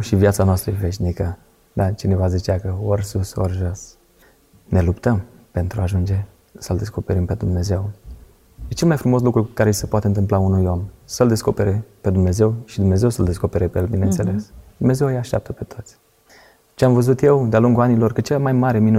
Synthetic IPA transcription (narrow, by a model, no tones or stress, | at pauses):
ʃivjat̪sanoast̪ɾəve̞ʃnikə | d̪at͡ʃine̞vazit͡ʃeakəorsuso̰rʒos | ne̞lupt̪əm | pe̞nt̪ɾuaʒund͡ʒe̞ | səld̪esko̞pe̞ɾimpe̞d̪umne̞ze̞w | jet͡ʃe̞lmajfɾumo̞s̬lukɾukaɾesepoat̪eɨnt̪̬ɨmplaunujo̞msəld̪e̞sko̞pe̞ɾe̞pe̞d̪umne̞ze̞wʃid̪umne̞ze̞wsəld̪esko̞pe̞ɾepejelbinent̪se̞le̞sd̪umne̞ze̞wjaʃt̪ʲa̰p̚t̪əpe̞t̪ʰo̞t̪sʲ | t͡ʃeamvəzut̪je̞wd̪ealuŋɡuanilo̞rkɨt͡ʃelmajmaɾe̞minu